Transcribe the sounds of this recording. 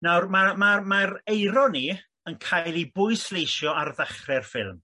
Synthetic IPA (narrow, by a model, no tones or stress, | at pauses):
nawrmamamaɾejɾɔni | ənkʰajlˠibʊɨslejʃjɔarðaχrɛrfɪ̰lˠm